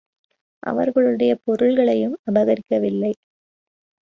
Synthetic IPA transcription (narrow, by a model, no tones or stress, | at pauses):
ʔɐ̰ʋɐ̰ɾɣɐɭɯɽɐjɐpɔɾɯɭɣɐɭɐjɯmɐbɐɣɐɾɪkːɐʋɪlːɐɪ